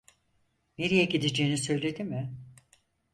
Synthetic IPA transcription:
neɾijɛɟid̪id͡ʒeːinisø̞jlʲe̞d̪imɪ

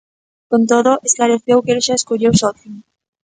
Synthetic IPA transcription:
kont̪oðoʔesklaɾeθewkelʃaeskoʎewsot̪iŋ

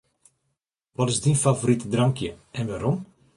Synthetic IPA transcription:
ʋɔtɪzdinfavoritədraŋkjəɛnʋaːɾɔm

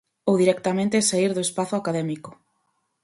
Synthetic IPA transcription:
owðiɾɛk̚t̪amẽnt̪esaiɾðʊespaθʊakaðɛmikʊ̥

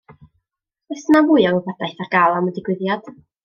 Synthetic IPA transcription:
ɛsnawʊɨɔŋvadajθarɡalˠamɛdiɡwɪðjad̥

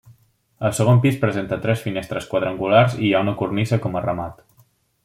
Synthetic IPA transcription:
əlˠsəɣ̞ompispɾəzent̪ət̪ɾɛsfinest̪ɾəskwəðɾəŋɡularzijaunəkurnizəkɔmərəmat̪

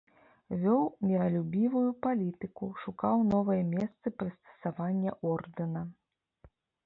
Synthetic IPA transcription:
vʲɔwmʲiɾɐlʲubʲivujupalʲit̪ɨkuʂukawn̪ɔvɐjɐmʲɛst̪sɨpɾɨst̪ɐ̥savanʲːɛʔɔrd̪ɨnɐ

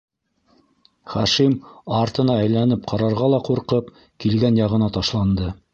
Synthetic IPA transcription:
χæʃimɑɾt̪ɤ̆nɑæjlænɘp̚qʰɑɾɑɾʁɑlˠɑquɾqɤp | kilɡænjɑʁɤ̆nɑt̪ɑʃlˠɑnd̪ɤ

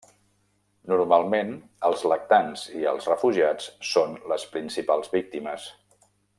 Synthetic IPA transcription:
nuɾmalˠmenəlˠzlək̚t̪anziə̰lˠzrəfuʒiat͡ssonləspɾinsipalˠzβik̚t̪iməs

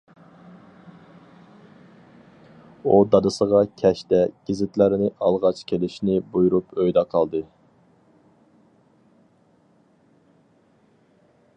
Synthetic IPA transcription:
ud̪ɑd̪ɨsəʁɑkʲʰɛʃt̪ɛɡ̥ʲizɪt̪lɪɾɪnɪʔɑlˠʁɑt͡ʃkʲʰelɪʃnɪbujuɾupøjd̪ɑqʰɑlˠd̪ɨ

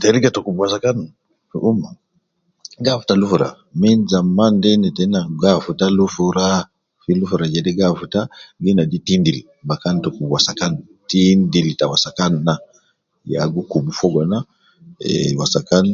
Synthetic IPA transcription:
tɛɾiɡatɔkubuasakan | fṵʔuma | ɡafu̥talufuɾa̰ | minzamːandɛnɛtɛnaɡafutalufuɾa | filufuɾad͡ʒɛdɛɡafutaɡinaditindili | bakantɔkubwasakan | tindilitawasakanːa | ja̰ɡukubufɔɡɔna | ɛ̰wasakan

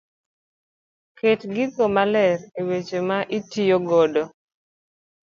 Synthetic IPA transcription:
ketɡɪkomalɛɾewet͡ʃemaʔitijoɡɔdɔ

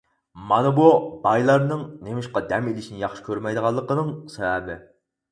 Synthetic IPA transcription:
mɑnɨbubɑjlˠɑɾnɨŋnemɪʃqɑd̪ɛmelɪʃinɪjɑχʃi̥kʲʰøɾmɛjd̪əʁɑlˠːəqənɨŋsɛvɛbɪ

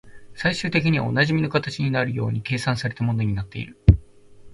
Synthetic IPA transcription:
saiɕɨːt̪e̞kʲiɲ̟iβa̰o̞̰naʑimʲino̞kat̪at͡ɕiɲ̟inaɾɯ̟jo̞̰ːɲ̟ike̞ːsãɰ̃saɾe̞t̪amõ̞no̞ɲ̟inat̪ːe̞̰ḭɾɯ̟

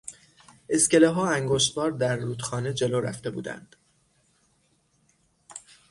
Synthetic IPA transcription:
e̞sce̞leɦɒːæŋɡoːʃt̪bɒːɾd̪æɾːuːd̪xɒːned͡ʒe̞loːɾæ̰ft̪e̞bṵːd̪æ̰nd̪̥

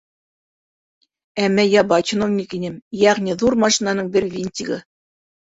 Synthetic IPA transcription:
æmːæjɑbɑt͡ɕinovnʲikinɘmjæʁnʲiðuɾmɑʃinɑnɤɴbɘɾvʲinʲt̪ʲiɡɤ̰

